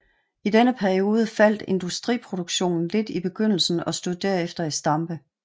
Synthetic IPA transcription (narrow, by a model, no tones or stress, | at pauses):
id̥enəpʰæɐio̝ːð̞ˠəfæl̰d̥e̝nd̥usd̥ʁḭːpʰʁo̝d̥uɡ̥ɕo̝̰ːnn̩le̝d̥ib̥e̝ɡ̥øn̰l̩sn̩ɒ̽sd̥uð̰ˠd̥æɐefd̥ɐisd̥ɑ̈mb̥ə